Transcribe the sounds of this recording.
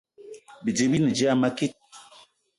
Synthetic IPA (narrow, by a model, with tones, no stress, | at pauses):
bi˨d͡ʒi˨bi˦nɨ˨d͡ʒi˦a˦˨ma˦ki˦t̚